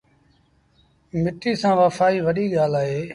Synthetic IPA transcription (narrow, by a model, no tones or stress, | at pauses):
mɪʈiːsãːʋəfaːiːʋəɗiːɠaːlaːɦeː